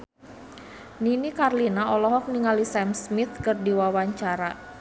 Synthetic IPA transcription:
ninikarlinaɔlɔɦɔk̚niŋalisɛmsmiθkɨrdiwawaɲt͡ʃaɾa

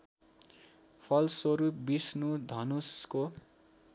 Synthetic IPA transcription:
pʰʌlswʌɾup̚bisnud̪ʱʌnusko

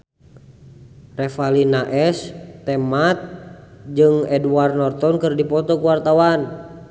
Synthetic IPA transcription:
rɛfalinaʔɛst̪ɛmat̪̚d͡ʒɨŋɛduarnɔrt̪ɔnkɨrdipɔt̪ɔkuwart̪awan

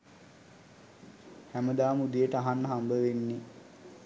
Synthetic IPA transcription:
hæməd̪aːmud̪ijəʈəaɦanːəɦambəʋenːi

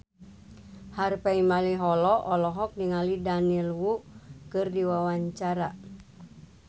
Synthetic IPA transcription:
harpɛimaliɦɔlɔʔɔlɔɦɔk̚niŋalidanilwukɨrdiwawaɲt͡ʃaɾa

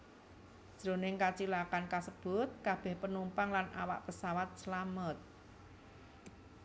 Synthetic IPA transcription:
ʒ̥ɾo̤nɪŋkat͡ʃilakankasəb̥ʊt̪̚kab̥ɛ̤hpənumpaŋlanʔa̰wa̰ʔpəsawat̪̚səlamət̪̚

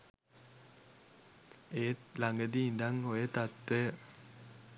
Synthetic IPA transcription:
eːt̪laŋɡəd̪iːnd̪aŋoet̪at̪ːə

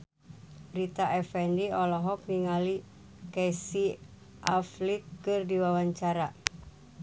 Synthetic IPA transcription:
bɾit̪aʔɛfɛndiɔlɔɦɔk̚niŋali | kɛsi | ʔaflit̪̚kɨrdiwawaɲt͡ʃaɾa

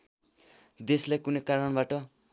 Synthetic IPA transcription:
d̪eslajkunʌjkaɾʌɳbaʈʌ

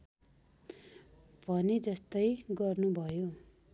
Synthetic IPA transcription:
bʱʌned͡zʌst̪ʌjɡʌrnubʱʌjo

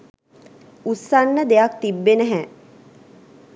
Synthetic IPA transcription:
usːanːəd̪ejak̚t̪ibːenəɦɛ

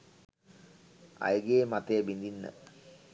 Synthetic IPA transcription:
a̰jəɡeːmat̪ejəbind̪inːə̰

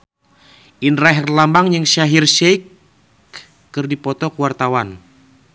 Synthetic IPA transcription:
ʔinraɦɛrlambaŋjəŋʃaɦirʃɛik | ɨrdipɔt̪ɔkəwart̪awan

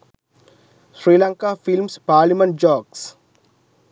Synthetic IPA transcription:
sɾiːlaŋkafilmspaːɾlimə̃ɳʈ̚d͡ʒɔːɡs

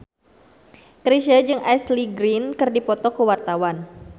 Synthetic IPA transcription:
kɾiʃad͡ʒɨŋajsliɡɾinkɨrdipɔt̪ɔkəwart̪awan

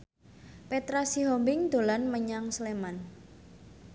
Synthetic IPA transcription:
pet̪ɾasiɦɔmbɪŋd̪̥o̤lanməɲaŋsleman

